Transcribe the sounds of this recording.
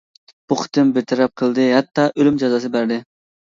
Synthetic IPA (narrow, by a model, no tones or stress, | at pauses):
b̥uqʰə̥t̪ʰɨmbɪɾt̪ʰɛɾɛp̚qʰəlˠd̪ɨɦɛt̪ʰːɑʔølymd͡ʒɑzɑsɨbæɾd̪ɪ